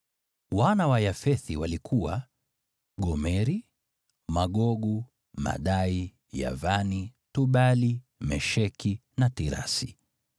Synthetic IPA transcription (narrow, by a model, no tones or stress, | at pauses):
wanawajafɛθiwalikʰuwa | ɠɔmɛɾi | maɠɔɠu | ma̰ɗai | ja̰vanituɓali | mɛʃɛkʰi | natiɾa̰si